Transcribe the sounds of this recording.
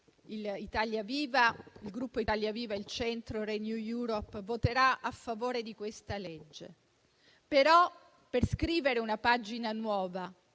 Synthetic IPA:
ilit̪aljaviːvailɡɾupːoit̪aljaviːvailt͡ʃɛnt̪ɾoɾenjujuɾopːvot̪eɾaafːavoːɾed̪ikwest̪aled͡ʒːḛ | peɾɔ | perskɾiːveɾeunapad͡ʒinanwɔːva

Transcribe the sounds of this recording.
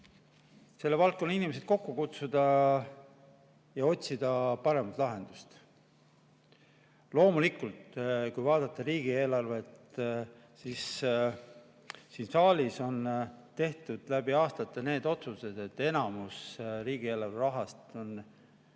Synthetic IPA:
se̞lːe̞vɑlt̪kːonːinimesed̪̥̚ko̞kːukut̪sud̪̥ɑ | jɑo̞t̪ʲsid̪̥ɑpɑɾe̞mɑt̪ˑlɑɦe̞nd̪̥ust̪ | lo̞ːmulikːˑult̪kujvɑːd̪̥ɑt̪ːˑɑɾiːɡ̥ie̞ːlɑrvet̪ | sis | siːnsɑːlʲiso̞nt̪e̞ht̪ud̪̥læb̥iɑːst̪ɑt̪ːˑɑne̞ːd̪o̞t̪suse̞d̪̥e̞t̪ːˑe̞nɑmusriːɡ̥ie̞ːlɑrveɾɑɦɑst̪o̞n

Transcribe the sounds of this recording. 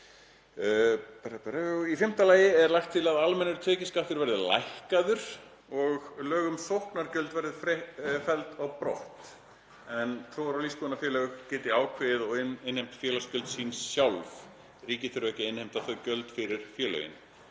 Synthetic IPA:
pɛɾpɛɾaifɪm̥t̪alaːjɪɛɾlajxt̪ʰɪlaðalmɛnːʏɾ̥t̪ʰɛːcɪskaht̪ʏɾvɛɾðɪla̰jhkaðʏɾ̥ | ɔɣlœːɣʏmsowhknaɾcœlt̪vɛɾðɪfɾɛfɛlt̪aɣpɾɔht̪ | ɛnθowvaɾawlispunafjɛːlœɣʏɣcɛːt̪ɪaːwkʰvɪðɔɣɪɪnhejmt̪fjɛːlascœlt̪siːnsːjawlv | riːcɪθʏɾʏvɛhcɪɪnhɪjm̥t̪aθœɥcœlt̪fɪɾɪɾ̥fjɛːlœ̰jɪ̰n

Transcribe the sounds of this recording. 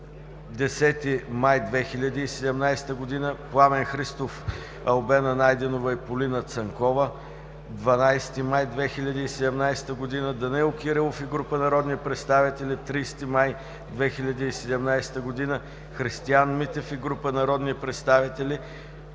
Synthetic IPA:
d̪ɛsɛt̪imajd̪vɛxilʲɐd̪iːsɛd̪ɛmnajsɛ̥t̪əɡod̪inəplˠamɛnxɾist̪of | ɐlˠbɛnɐnajd̪ɛnovəipolinət̪sɐŋkɔvə | d̪vɐnajst̪imajd̪vɛxilʲɐd̪iːsɛd̪ɛmnajsɛ̥t̪əɡod̪inəd̪ɐnɛlˠkiɾɛlˠofiɡɾupənɐɾɔd̪nipɾɛt̪st̪avit̪ɛlʲit̪ɾist̪imaj | d̪vɛxilʲɐd̪iːsɛd̪ɛmnajsɛ̥t̪əɡod̪inə | xɾist̪ianmit̪ɛfiɡɾupənɐɾɔd̪nipɾɛt̪st̪avit̪ɛli

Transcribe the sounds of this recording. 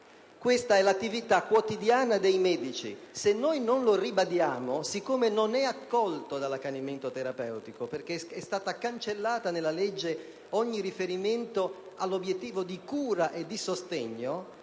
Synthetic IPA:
kwest̪aɛlat̪ːivit̪akːwot̪id̪jaːnad̪ejmɛːd̪it͡ʃḭsenːojnonloribad̪jaːmosikːomenonɛakːɔlt̪od̪alakːaniment̪ot̪eɾapɛwt̪ikoperk̟eɛst̪aːt̪akant͡ʃelːaːt̪anelːalɛd͡ʒːe | ɔɲːirifeɾiment̪o | alːobjet̪ːiːvod̪ikuːɾaʔed̪ːisost̪ɛɲːo

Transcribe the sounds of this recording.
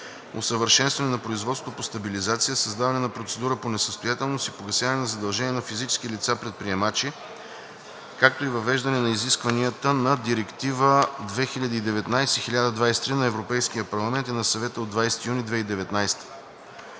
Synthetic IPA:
osəvəɾʃɛnst̪vɐnɛnɐpɾoizvɔt̪sot̪opost̪ɐbilizat̪sijəsɐzd̪avɐnɛnɐpɾot̪sɛd̪uɾəponɛsəst̪ojat̪ɛlˠnosipoɡɐsʲjavɐnɛnɐzɐd̪ɐlˠʒɛnʲiɛnɐfizit͡ʃɛ̥skilit̪sapɾɛt̪̚pɾiɛmat͡ʃi | kak̚t̪oivɐvɛʒd̪ɐnɛnɐiziskvɐniət̪ənɐd̪iɾɛkt̪ivəd̪vɛxiʎʲəd̪iːd̪ɛvɛt̪najsixilʲad̪əd̪vajsɛ̥t̪ɾinɐɛvɾopɛjskijəpɐɾlˠɐmɛnt̪inɐsɐvɛt̪əod̪vajsɛ̥t̪ijunid̪vɛid̪ɛvɛt̪najst̪ə̥

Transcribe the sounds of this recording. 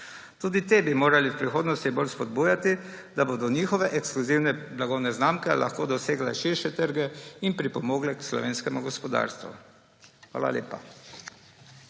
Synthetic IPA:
t̪uːd̪it̪ebimoːɾaliwpɾixoːd̪nɔst̪ibolspɔd̪̚buːjat̪i | d̪aboːd̪ɔniːxɔʋɛʔɛkskluziwnɛblaɡɔwnɛznaːmkɛlʔa̰xkoːd̪ɔseːɡlɛʃiɾʃɛt̪əɾɡɛinpɾipɔmoːɡlɛkslɔ̰ʋeːnskɛmuɡɔspɔd̪a̰ːɾst̪ʋṵ | xʋa̰ːla̰leːpa̰

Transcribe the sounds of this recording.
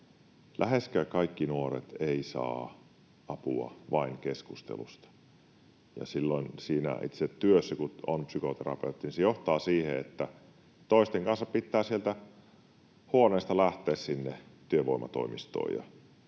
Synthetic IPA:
lʔæheskækɑikːinuorḛt̪eisɑ̰ː | ɑpuɑ̰ʋɑiŋkeskust̪ḛlṵst̪ɑ̥ | jɑ̰silːoinsiːnæ̰ḭt̪sett̪yøsːækuonpsykot̪eɾɑ̰peut̪ːinisejoht̪ɑːsiːhḛet̪ːæ | t̪oˑist̪eŋkɑnsːɑppit̪ːæːsielt̪æ | huoneːst̪ɑlæht̪eːssinːet̪yøʋoimɑ̰t̪o̰imist̪o̰ːjɑ̰

